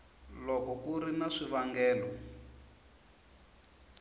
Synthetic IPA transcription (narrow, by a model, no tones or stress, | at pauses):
lɔkɔkuɾinaʂiβaŋɡɛːlɔ